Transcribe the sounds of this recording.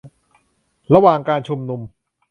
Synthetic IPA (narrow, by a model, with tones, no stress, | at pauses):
ɾa˧waː˨˩ŋkaː˧nt͡ɕʰu˧mnu˧m